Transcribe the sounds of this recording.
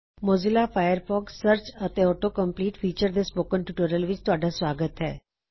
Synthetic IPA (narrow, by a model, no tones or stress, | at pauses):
moːzɪlaːpʰaːjəɾpʰɔːksəɾt͡ʃət̪eɔːʈoːkə̃mpliːʈfʰiːt͡ʃəɾd̪espoːkənʈuʈoːɾəlʋɪt͡ʃt̪ʊaːɖasʋaːɡət̪ɦɛ̰ː